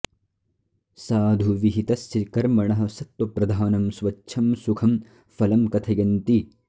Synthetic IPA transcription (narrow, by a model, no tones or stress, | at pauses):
saːd̪ʱuʋiɦit̪ɐsːikɐɾmɐɳɐɦɐ̆sɐt̪wɐpɾɐd̪ʱaːnɐmsʋɐʃʰɐmsukʰɐm | fɐlɐmkɐt̪ʰɐjɐnt̪i